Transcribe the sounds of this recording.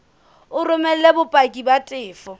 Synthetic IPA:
ʊrʊmɛl̩lebʊpʼakʼibatʼɪːfɔ

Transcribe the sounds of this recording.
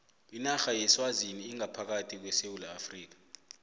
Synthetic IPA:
inaxajɛswaziniːŋapʰak̬atʰik̬wɛsewulaːfriːk̬ḁ

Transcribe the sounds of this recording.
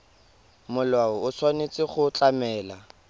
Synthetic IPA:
mʊlwaʊʊsʰwanet͡sʼɪχʊt͡ɬʼamɛːla

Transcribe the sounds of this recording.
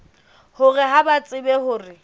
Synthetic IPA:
hʊrɪɦabat͡sʼɪbɛhʊːrɪ

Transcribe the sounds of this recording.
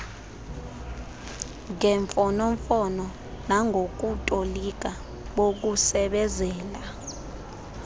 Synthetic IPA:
ŋɛɱfɔnɔɱfɔnɔ | naŋɡʱok̬ʼutʼolik̬ʼa | ɓok̬usɛɓɛzɛːla

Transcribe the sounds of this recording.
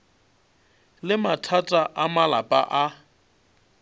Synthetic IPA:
lɪmatʰatʼaʔamalapʼa̰ʔa

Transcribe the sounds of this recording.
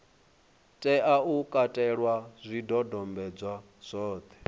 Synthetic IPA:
tʼɛʔaukʼatʼɛɺwaz̥ʷidɔdɔmbɛd͡zwa | z̥ʷɔːt̪ʰɛ̥

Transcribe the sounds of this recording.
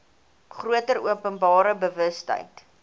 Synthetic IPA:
χruətəɾuəpənbɑːɾəbəvəstə̰jt

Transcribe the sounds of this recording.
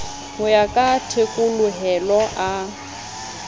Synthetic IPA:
hʊjakʼatʰekʼʊlʊɦɛlɔʔa

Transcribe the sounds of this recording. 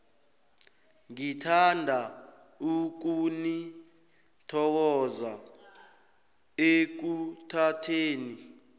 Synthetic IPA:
ŋitʰandʱa | uk̬uni | tʰɔk̬ɔza | ek̬utʰatʰeːni

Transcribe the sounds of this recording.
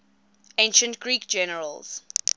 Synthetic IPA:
ẽnʃə̃ntɡ̥ɹiːkd͡ʒɛnəɹə̰lz̥

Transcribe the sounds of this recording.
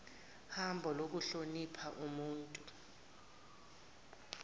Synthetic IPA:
hambʱɔlok̬uɬonipʰaʔumuːntʼu

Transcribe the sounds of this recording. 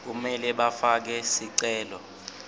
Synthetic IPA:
k̬umɛlɛɓafak̬ɛsiǀɛːlɔ

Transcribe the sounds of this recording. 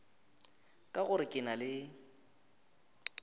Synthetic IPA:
kʼaɣʊɾɪkʼɪnalɪ

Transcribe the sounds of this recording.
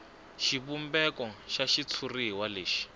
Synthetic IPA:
ʃiβumbɛkɔʃaʃit͡sʰuriɦiwaleːʃi̥

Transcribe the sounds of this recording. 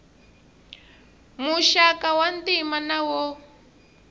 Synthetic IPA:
muʃakawandimanawɔ

